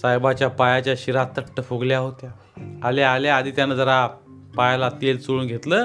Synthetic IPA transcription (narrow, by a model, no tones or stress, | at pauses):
sajbat͡ɕjapajat͡ɕjaɕiɾat̪əʈːəfoɡljaɦot̪jaː | lealaad̪ʱiːt̪janəːd͡zəɾa | pajalat̪elt͡soɭuːnɡʱet̪ləː